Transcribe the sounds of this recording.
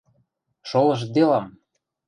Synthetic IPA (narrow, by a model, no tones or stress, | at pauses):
ʃolɤ̆ʃ̬d̪elɑm